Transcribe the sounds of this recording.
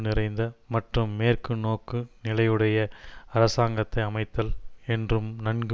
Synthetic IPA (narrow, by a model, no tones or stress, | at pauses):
nɪɾɐɪnd̪ɐmɐʈrɯmːeːrkɯnoːkːɯnɪlɐjɯɽɐjɐɐɾɐsaːŋɡɐt̪ːɐɪɐmɐɪt̪ːɐlɛndrɯmnɐnɡ